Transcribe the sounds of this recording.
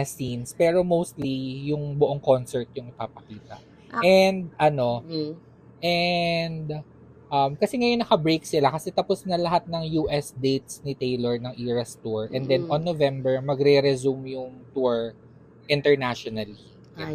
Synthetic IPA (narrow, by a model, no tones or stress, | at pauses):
ɛsinspɛːɾo̞mowst̪lijʊŋbʊʔoŋko̞nsɛɹt̪̚jʊŋɪpaːpɐkiːt̪ɐ | ʔɛnd̪̚ʔɐno̞ | ʔɛnd̪ | ʔɐmkɐsɛŋɐjonːɐkɐbɹejk̚sɪlakɐsɛt̪ɐposnɐlɐɦat̪̚nɐŋjuːʔɛsd̪ejt̪̚snɪt̪ejloɹnɐŋʔiːɹɐst̪uɹʔɛnd̪ɛnʔɔnːovɛmbɛɹmɐɡɾɛɾɛzumjʊŋt̪uɹ | ʔɪnt̪ɛɹnaʃonɐli